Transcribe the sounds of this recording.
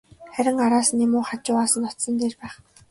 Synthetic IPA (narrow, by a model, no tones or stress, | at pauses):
χæɾʲɪ̆ŋaɾaːsnemʊːχat͡ɕʊːaːsə̆nɔt̪sə̆nt̪eːrpæːχ